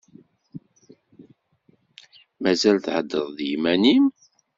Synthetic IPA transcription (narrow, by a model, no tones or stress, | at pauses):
mæzælθʕəd̪ːəðˤðjmænim